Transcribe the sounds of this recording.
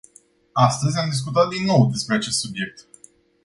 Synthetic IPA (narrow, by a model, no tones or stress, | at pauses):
ast̪əzʲamd̪is̬kut̪̬at̪̚d̪inːo̞wd̪e̞spɾe̞at͡ʃe̞st̪subje̞k̚t̪